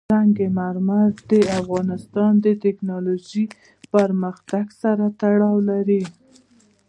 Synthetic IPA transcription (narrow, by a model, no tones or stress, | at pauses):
aŋɡemaɾmad̪əafɣɑnɪst̪ɑnd̪ət̪ɪknɑloʒi | pəɾməxt̪aɡsaɾat̪aɽɑwlaɾi